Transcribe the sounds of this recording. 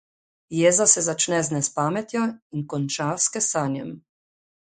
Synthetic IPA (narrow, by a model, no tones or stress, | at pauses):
jeːzasɛzat͡ʃnɛznɛspaːmɛt̪jɔinkɔnt͡ʃaːwskɛsaːnjɛ̰m